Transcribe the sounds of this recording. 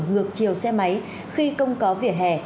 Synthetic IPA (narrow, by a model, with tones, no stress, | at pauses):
ŋɨ˨˩ək̚t͡ɕi˨˩əwsɛ˧ma˨˦j | xi˧kə˧wŋ͡mkɔ˨˦vḭ˧˩əɦɛ̰˧˩